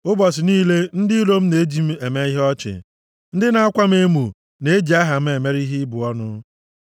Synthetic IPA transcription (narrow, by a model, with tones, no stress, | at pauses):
ʊ˦bɔ˨s̬ɪ˨niː˦le˦n̩˦dɪ˦ɾo˦m̩˦ne˨˦d͡ʒi˨˦m̩˦e˨me˦i˦ɦɔ˦t͡ʃɪ̰˨ | n̩˦dɪ˦na˨a˦kʷa˦m̩˦e˦mu˨ | ne˨e˦d͡ʒi˨a˦ɦa˨m̩˦e˨me˦ɾi˦ɦi˦bʊ˨ɔ˦nʊ˦